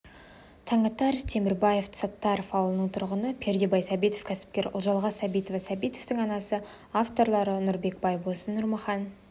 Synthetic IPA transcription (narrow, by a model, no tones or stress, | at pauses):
t̪ʰɑɴɑt̪ɑɾt̪ʰe̞mɪɾbɑje̞ft̪sɑt̪ːɑɾofɑwlˠnəɴt̪ʰʊɾʁənəpʲʰe̞ɾd̪ebɑjsɑbit̪o̞fkʲʰæsɪ̥p̚kʲe̞ɾʊ̰lˠʒɑlˠʁɑsɑbijt̪ovɑsɑbijt̪ovt̪ɪŋɑnɑsə | aft̪o̞ɾlˠɑɾənʊɾbe̞k̚bɑjbosənːʊɾmɑχɑn